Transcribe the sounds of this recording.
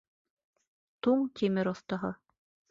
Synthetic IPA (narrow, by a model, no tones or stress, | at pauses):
t̪uɴt̪ʲimɘɾŏθt̪ɑɦɤ